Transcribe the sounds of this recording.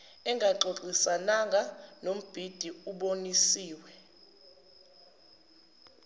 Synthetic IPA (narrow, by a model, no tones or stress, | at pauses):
ɛŋʱaǃoǁisanaŋɡʱanom̩b̥ʱid̥ʱiuɓonisiːwɛ